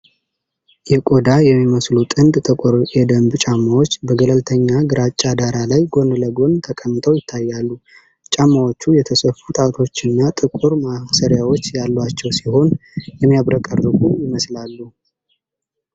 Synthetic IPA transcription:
jɛkʼo̞d̪ajɛmːiməslut̪ʼɨnd̪t̪ʼɨkʼuɾjɛd̪əmbt͡ʃʼamːawot͡ʃːbəɡələlt̪ʰəɲːaɡɨɾat͡ʃʼːad̪aɾalajɡo̞nləɡo̞nt̪ʰəkʼəmːɨt̪ʰəwjɪt̪ʰːajːalːu | t͡ʃʼamːawot͡ʃːujɛt̪ʰəsəfut̪ʼat̪ʰo̞t͡ʃːɨnːat̪ʼɨkʼuɾmasəɾjawo̞t͡ʃːjalːwat͡ʃːɛwsiho̞njɛmːijaβɾəkʼəɾdɨɡujɪməslalːu

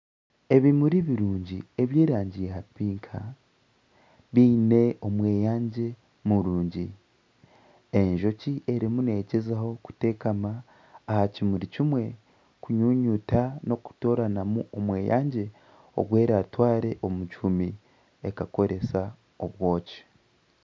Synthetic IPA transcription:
e̞βimuɾiβiɾuːɲɟie̞βjeːɾaːɲɟijehapiːŋkʰa | βiːne̞o̞mwe̞ːjaːɲɟe̞ | muɾuːɲɟi | e̞ɲʒo̞ciʔe̞ɾimune̞ɟezaho̞ku̥te̞ːkamaː | hacimuɾicimwe̞ | kuɲuːɲutano̞ku̥to̞ːɾanamuo̞mwe̞ːja̰ːɲɟe̞ | o̞̰ɡwe̞ːɾaːtwaːɾe̞ʔo̞mucumi | ekako̞ɾʔe̞sa | o̞βwo̞ːci̥

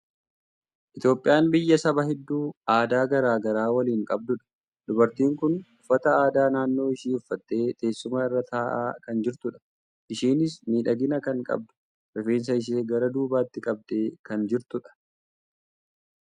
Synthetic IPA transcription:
ʔɪt̪jo̞ːpʼːɪjaːnbɪjːɐsɐbɐhɛd̪ːuːaːd̪aːɡɐɾaːɡɐɾaːwɐliːŋkʼɐb̚d̪ʊᶑɐ̥ | d̪ʊbɐɾt̪iːŋkʊnʊfːɐt̪ɐaːd̪aːnaːnːo̞ːɪʃiːʊfːɐt̪ːe̞ːt̪ʼe̞ːsːʊmɐɪrːɐt̪aːʔa̰ːkɐnd͡ʒɪɾt̪ʊᶑɐ̥ | ʔɪʃiːnɪsmiːᶑɐɡɪnɐkɐŋkʼɐ̰b̚d̪ʊ̥ | ʔɛfe̞ːns̬ɐɪʃ̬eːɡɐɾɐd̪uːbaːt̪ːɪkʼɐb̚d̪e̞ːkɐnd͡ʒɪɾt̪ʊᶑɐ̥

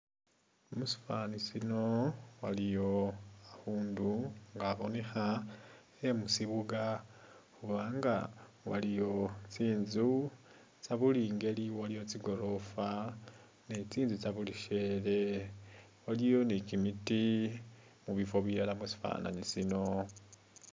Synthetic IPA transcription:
musi̥fanisino̞walijo̞ahuːnduŋɡaβo̞nexa | emusiβuɡa | kuβaːŋɡa̰walijo̞t͡siːnzu | t͡saβuliːŋɡe̞liwalijo̞t͡siɡo̞ɾo̞fa | net͡siːnzut͡saβuliʃe̞ɾe̞ | walijo̞nikimiti | muβifo̞βiɾalamusi̥fa̰ːna̰nisino̞

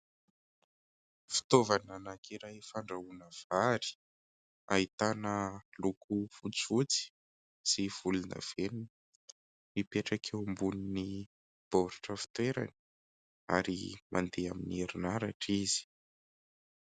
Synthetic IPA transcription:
fi̥t̪ovananakʰiɾajfaɳɖ͡ʐaunəv̥aɾi̥ | ait̪anəlukʰufut͡sut͡si̥ | siv̥ulunə̰v̥enin | mipeʈ͡ʂakʰembunini | b̥oɾuʈ͡ʂəfi̥t̪weɾa̰ni̥ | aɾḭmʔa̰nd̪eamineɾinaɾaʈ͡ʂizi̥

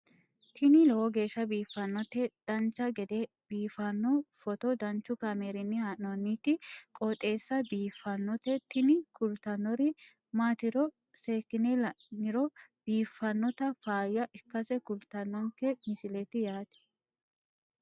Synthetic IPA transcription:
t̪ʰɪnɪlɔwɔɡe̞ːʃːɐbiːfːɐnːɔt̪ɛd̪̥ɐnt͡ʃːɐɡɛd̪ɛ | b̥iːfɐnːɔfɔt̪ɔd̪ɐnt͡ʃːʊkɐmeːɾɪnːɪhanɔnːit̪ɪkʼɔt̪ʼe̞ːsːɐbiːfːɐnːɔt̪ɛt̪ɪnɪkʊlt̪ɐnːɔɾɪ | maːt̪ɪɾɔ | seːkːɪnɛlɐ | nɪɾɔb̥iːfːɐnːɔt̪ɐfaːjːɐʔɪkːɐsɛkʊlt̪ɐnːɔŋkɛmɪsɪlɛt̪ɪjaːt̪ɛ̥

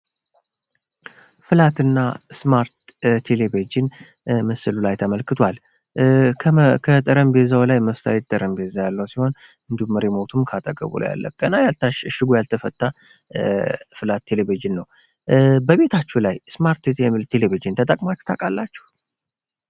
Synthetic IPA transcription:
fɨlat̪ɨnːasmaɾt̪t̪ʰːeleβed͡ʒɪn | mɨsɨlulajt̪ʰəməlkɨt̪ʰwalʰ | kʰət̪ʼəɾəmbezawlajməst̪ʰa̰jɛt̪̚t̪ʼəɾəmbezajalːəhwsiho̞n | ɨnd̪umːəɾemo̞t̪ʰumkʰat̪ʼəɡʼə̰βṵla̰ja̰lːə̰kʼːənajalt̪ʰaʃʃɨɡujalt̪ʰəfət̪ʼːa | fɨlat̪ʰːeleβid͡ʒɪnːəw | bəβe̞t̪ʰat͡ʃːulajsmaɾt̪t̪ʰɛilt̪ʰeleβid͡ʒɪnt̪ʰət̪ʼəkʼmat͡ʃːu̥t̪ʰakʼalːat͡ʃːɛ̥h

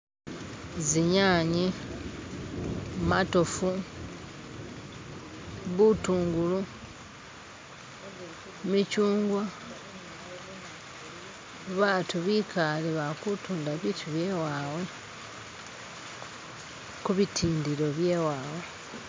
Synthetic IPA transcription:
ziɲaːɲi | matofu | βutuːŋɡulu | micuːŋɡwa | βaːtuβikʰaliβakutuːndaβitʰuβjewaːwe̞ | kuβitʰiːndiɾo̞βjeːwaːwe

